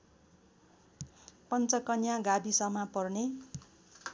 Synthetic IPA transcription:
pʌnt͡sʌkʌnjãɡabisʌmapʌrne

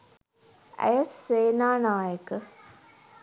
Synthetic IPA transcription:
æ̰jəsːeːnaːnaːjəkə

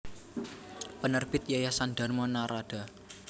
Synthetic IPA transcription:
pənərb̥ɪt̪̚jajasanɖa̤rmɔnaɾaɖ̥a̤

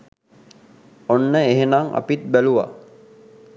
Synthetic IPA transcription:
onːəeɦenaŋa̰pit̪̚bæluʋa̰

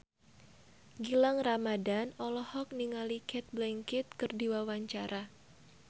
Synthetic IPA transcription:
ɡilaŋramadanɔlɔhɔk̚niŋalikʰɛt̪̚blɛŋkit̪̚kɨrdiwawaɲt͡ʃaɾʔa

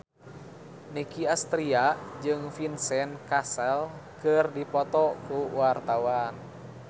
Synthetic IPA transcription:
nikiast̪ɾiad͡ʒɨŋfinsɛnkasɛlkɨrdipɔt̪ɔkuwart̪awan

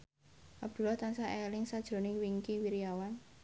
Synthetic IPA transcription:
ʔab̚d̪̥ṳlɔht̪ansaʔelɪŋsad̥ʒ̥ɾo̤nɪŋwiŋkiwiɾiawan

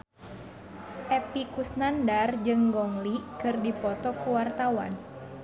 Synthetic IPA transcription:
ʔɛpikusnandard͡ʒɨŋɡɔŋlikɨrdipɔt̪ɔkuwart̪awa̰n

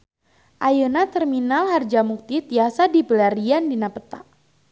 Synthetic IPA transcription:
ʔajənat̪ərminalhard͡ʒamuk̚t̪it̪iasadipəlaɾiandinapət̪a̰ʔ

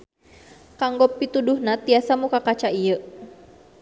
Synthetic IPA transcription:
kaŋɡɔpːit̪uduhnat̪iasamukakat͡ʃaijə

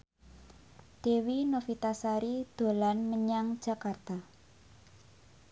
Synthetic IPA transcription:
d̪̥e̤winofit̪asaɾid̪̥o̤lanməɲaŋ̥d͡ʒ̥a̤kart̪a

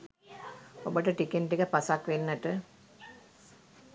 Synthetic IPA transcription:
obəʈəʈikenʈikəpasakʋenːəʈə

